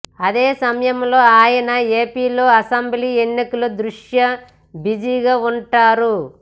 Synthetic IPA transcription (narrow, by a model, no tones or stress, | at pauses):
ɐd̪eːsɐmɐjɐmlo̞ːaːjɐnɐe̞ːpiːlo̞ːɐsɐmbliːenːikɐlud̪ɾuʂjɐ | bid͡ʒiɡaːuɳʈaːɾu